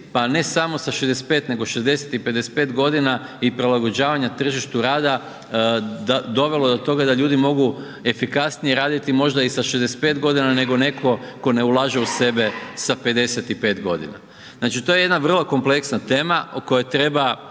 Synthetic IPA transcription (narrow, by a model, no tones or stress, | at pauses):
pane̞samo̞saʃezd̪esepe̞ːt̪ne̞ɡo̞ʃe̞zd̪e̞set̪ipe̞d̪espe̞ːt̪ɡo̞d̪inaipɾilˠaɡo̞d͡ʑaːʋaɲat̪r̩ʒiʃt̪uɾaːd̪a | d̪ad̪o̞ʋe̞lo̞d̪o̞t̪o̞ɡad̪aʎuːd̪imo̞ɡu | e̞fikasnijeɾaːd̪it̪imo̞ʒd̪aisaʃezd̪esepe̞ːt̪ɡo̞d̪inane̞ɡo̞ne̞kʰo̞ko̞ne̞ulˠaːʒeuse̞be̞sape̞d̪e̞set̪ipe̞ːt̪ɡo̞̰d̪ḭna̰ | znaːt͡ʃit̪o̞je̞jed̪naʋr̩lˠoko̞mple̞ksnat̪e̞ːmaoko̞jet̪ɾe̞ba